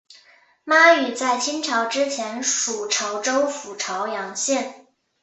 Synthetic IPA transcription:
ma˥y˨˩t͡sa˥˩ɪt͡ɕʰi˥nʈ͡ʂʰɑ˧˥ʊʈ͡ʂɻ̩˥t͡ɕʰjɛ˧˥nʂu˨˩ʈ͡ʂʰɑ˧˥ʊʈ͡ʂo˥ʊfu˨˩ʈ͡ʂʰɑ˧˥ʊjɑ˧˥ŋɕjɛ˥˩n

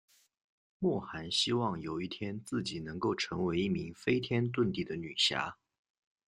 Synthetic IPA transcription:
mwɔ˥˩xa˧˥nɕi˥wɑ˥˩ŋjo˨˩ʊi˥˩t̪ʰjɛ˥nt͡sɹ̩˥˩t͡ɕi˨˩nɤ˧˥ŋko˥˩ʊʈ͡ʂʰɤ˧˥ŋwe˧˥ɪi˥˩mi˧˥ŋfe˥ɪt̪ʰjɛ˥nt̪̬wə˥˧nt̪i˥˩d̪ə˦ny˨˩ɕja̰˥

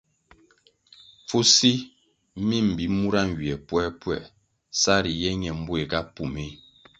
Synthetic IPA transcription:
fu˦si˦ | mi˦m̩˨bi˨mu˦ɾa˦ŋ˨wi˨ɛ˨pwɛ˦pwɛ˦˨ | sa˦ɾi˨jɛ˦ɲɛ˨m̩˦bwe˨ka˦pu˨me˦

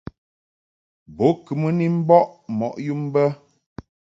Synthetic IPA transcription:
bo˨˦kɨ˨mə˦ni˦m̩˦bɔ˦ʔmɔ˨ʔju˦m˦bə˦

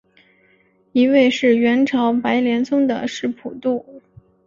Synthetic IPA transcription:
i˧˥we˥˧ɪʂɻ̩˥˩ɥɛ˧˥nʈ͡ʂʰɑ˧˥ʊpa˧˥ɪljɛ˧˥nsʊ˥ŋd̪ə̰˨ʂɻ̩˥˩pʰu˨˩t̪u˥˩

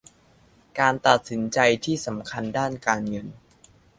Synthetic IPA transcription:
kaː˧nt̪a˨˩t̪̚si˩˦nt͡ɕa˧jt̪ʰiː˥˩sa˩˦mkʰa˧ndaː˥˩nkaː˧nŋɤ˧n

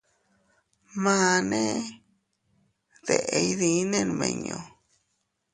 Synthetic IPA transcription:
mãː˦nẽ˦ | ðe˧ʔe˧i˦ði˧˦nẽ˦n˨mḛ̃˧˨ɲõ˧

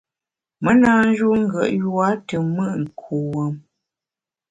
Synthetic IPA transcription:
mə˦naː˦n˦ʒu˦ŋ̩˦ɡə̰˨ʔjwa˦tə˨mə˦˨ʔŋ̩˨kʰu˨wə˨m

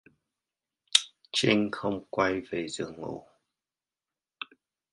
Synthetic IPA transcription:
t͡ʃi˧˦ŋxo˧wŋ͡mkwa˧jve˨˩z̥ɨ˨˩ŋo̰˨˩˨

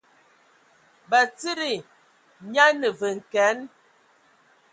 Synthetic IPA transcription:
ba˨t͡si˦ɾi˨ | ɲa˦nə˨və˨ŋ̩˨kɛ˨˦n

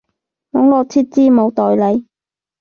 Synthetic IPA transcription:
nɔ˨˥ŋlɔː˨˧t͡sʰiː˥t̚t͡siː˥mo˨˧wt̪ɔː˨jle˨˧j

